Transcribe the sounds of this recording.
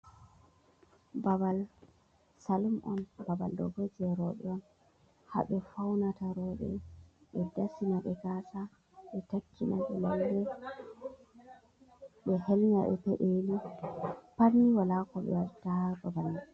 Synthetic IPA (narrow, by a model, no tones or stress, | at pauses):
babal | salumʔɔ̰nbaba̰ldɔ̰ɡod͡ʒɛɾɔɓɛ̰ɔn | ha̰ɓɛfawnataɾɔɓɛ̰ɓɛdasinaɓɛkasa | ɓɛtakʰːinaɓɛlaldɛ | ɓɛhɛlɲa̰ɓɛ̰pɛɗeli | paniwalakɔɓɛ̰altababalː